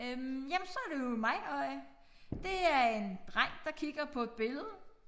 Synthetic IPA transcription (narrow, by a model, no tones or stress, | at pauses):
ømjæmnsɒ̽æɐɾ̥ejo̝mɑ̈ɪɒɪ̰ | d̥e̝æɐe̝nd̥ʁaŋ̰d̥ɑ̈kʰiɡ̥ɐpʰɒ̽e̝d̥̚b̥e̝ləð̞ˠə